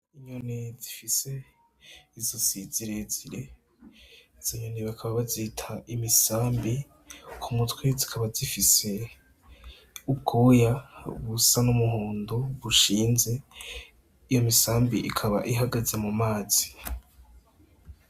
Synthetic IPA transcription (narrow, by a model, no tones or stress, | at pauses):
iɲonezifise̞ | izosiziɾeziɾe̞ | iz̥oɲoneβakʰaβaβazitʰaʔimisaːmbi | kʰumutwezikʰaβazifise̞ | ub̚ɡuːjaβusanumuɦuːnduβuʃiːnze̞ | ijo̞misaːmbiʔikʰaβa̰ʔiɦaɡazamumaːz̥i